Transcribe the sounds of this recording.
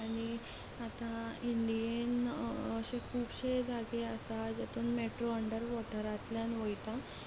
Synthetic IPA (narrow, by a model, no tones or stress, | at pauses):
aɽ̃i | at̪ãiɳɖijenəɕekʰuːbɕed͡zʱaɡeəsad͡ʑet̪uːnmeʈɾoəɳɖəɾʋɔʈəɾat̪ljanʋojt̪a